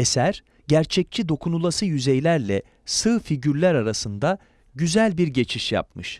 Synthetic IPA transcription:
e̞sæɾ̥ | ɟæɾt͡ʃʰɛc̚t͡ʃʰid̪o̞kʰunulˠasɯjyzejlʲæɾlʲɛ | sɯːfiɟyɾlʲæɾaɾasɯnd̪a | ɟyzælʲbiɾɟe̞t͡ʃʰiʃja̰pmɯʃ

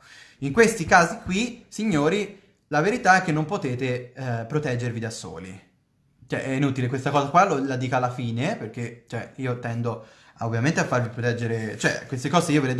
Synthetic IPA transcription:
iŋkwest̪ikaːzikwisiɲːoːɾi | laveɾit̪aɛk̟ːenːompot̪eːt̪epɾot̪ɛd͡ʒːervid̪aso̰ːlḭ | t͡ʃɛ̰ʔɛinut̪ilekwest̪akɔːzakwalolad̪iːkalːafiːneperk̟et͡ʃoɛiːot̪ɛnd̪o | ovːjament̪eafːarvipɾot̪ɛd͡ʒːeɾet͡ʃoɛ̰kːwest̪ekɔːzeiːoveled̪

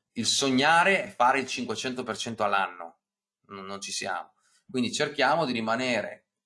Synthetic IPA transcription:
ilsoɲːaːɾefaːɾeilt͡ʃiŋkwet͡ʃɛnt̪opert͡ʃɛnt̪oalːanːo̰ | nonːont͡ʃisja̰ːmo | kwind̪it͡ʃerkjaːmod̪iɾimaneːɾḛ

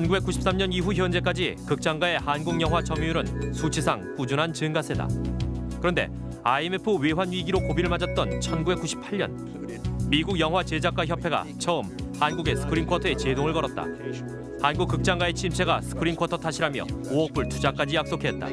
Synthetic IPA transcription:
t͡ɕʰʌnɡube̞k͈uɕʰi̥p̚s͈amɲʌniɸuçjʌnd͡ʑe̞k̬͈ad͡ʑikɯk̚t͡ɕ͈aŋɡae̞hanɡuŋjʌŋɦwat͡ɕʌmijuɾɯnsʰut͡ɕʰisʰaŋp͈ud͡ʑunɦant͡ɕɯŋɡasʰe̞da̰kɯɾʌnde̞̰ | aimepʰɯwewanɥiɡiɾokobiɾɯɭmad͡ʑʌt̚t͈ʌnt͡ɕʰʌnɡube̞k͈uɕʰi̥pʰaɭɲʌ̰n | miɡuɡjʌŋɦwat͡ɕed͡ʑak͈waçjʌpʰe̞ɡa̰t͡ɕʰʌɯmhanɡuɡe̞sʰɯ̥kʰɯɾinkʰwʌtʰʌe̞t͡ɕe̞doŋɯɭkʌɾʌt̚t͈a̰ | hanɡuk͈ːɯk̚t͡ɕ͈aŋɡwae̞t͡ɕʰimsʰe̞ɡasʰɯ̥kʰɯɾinkʰwʌtʰʌtʰaɕʰiɾamjʌ̰oʌk̚p͈uɭtʰud͡ʑak͈ad͡ʑijak̚s͈okʰe̞t̚t͈a̰

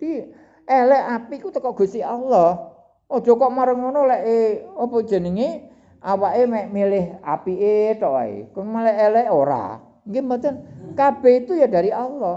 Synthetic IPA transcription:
t̪i | ʔɛlɛapikut̪əkɔʔɡ̥ṳst̪ialːɔh | ɔd̥ʒ̥ɔ̤kɔʔmaɾəŋonolɛʔeɔpod̥ʒ̥ə̤nəŋi | ʔawaʔemɛʔmilɪɦa̰piʔet̪ɔʔa̰ḛkmɛlɛʔɛlɛoɾa̰ | ŋkemənt̪ənkab̥ɛhit̪ujad̥a̤ɾiʔalːɔh

